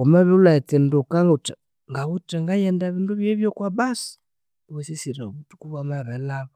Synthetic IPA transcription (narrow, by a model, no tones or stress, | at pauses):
kɔmaβiulaitindukaŋɡut͡ʃa | ŋɡaβutɛŋɡajɛndaβinduβjɛβjɔkwabasi̥ | βusisiɾɛβutu̥kuβamaβɛlaβɔ